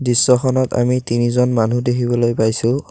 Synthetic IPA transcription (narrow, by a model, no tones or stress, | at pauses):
disːɔkʰɔnɔta̰mitinizɔnmanudekʰibɔlojpajsʊ̃